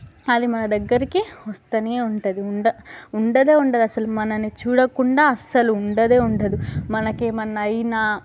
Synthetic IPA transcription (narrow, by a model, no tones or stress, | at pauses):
ɐd̪imɐnɐd̪ɐɡːɐɾikiʋɐst̪ɐneːuɳʈɐd̪iuɳɖɐuɳɖɐd̪e̞ːuɳɖɐd̪uɐsɐlumɐnɐnit͡ʃuːɽɐkuɳɖaːɐsɐluːɳɖɐd̪e̞ːuɳɖɐd̪umɐnɐkemɐnːɐɐjna